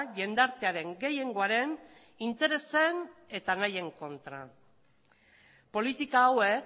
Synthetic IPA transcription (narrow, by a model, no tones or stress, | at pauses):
ʝe̞nd̪aɾt̪e̞aɾe̞ŋɡe̞je̞ŋɡo̞aɾe̞n | int̪e̞ɾe̞se̞ne̞t̪anaje̞ŋko̞nt̪ɾa̰ | po̞lit̪ikawe̞k